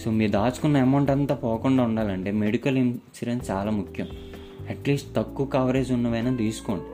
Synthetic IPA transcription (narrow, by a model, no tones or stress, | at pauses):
soːmiːɾd̪aːt͡ʃu̥kunːɐɐmɐwɳʈɐnt̪aːpɔːkuɳɖaːuɳɖaːlɐɳʈe̞ːmeɽikɐlint͡ʃiɾɐnst͡ʃaːlaːmukʰjɐm | ɐʈliːsʈt̪ɐkːukaːʋɐɾeːd͡ʒunːɐʋɐjnad̪iːsu̥koːɳɖi